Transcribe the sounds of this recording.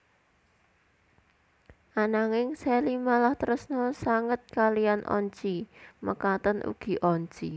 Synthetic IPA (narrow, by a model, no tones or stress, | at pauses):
ʔanaŋɪŋsɛlimalaht̪əɾəsnɔsaŋət̪̚kalianʔɔ̰ɲt͡ʃiməkat̪ənʔṵɡ̥i̤ʔɔɲt͡ʃi